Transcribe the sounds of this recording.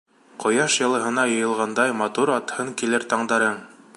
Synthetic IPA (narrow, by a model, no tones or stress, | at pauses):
qŏjɑʃjɤ̆lˠɤ̆ɦɤ̆nɑjɤ̆jɤ̆lˠʁɑnd̪ɑjmɑt̪uɾɑt̪hɤŋkilɘɾt̪ɑɴd̪ɑɾɤɴ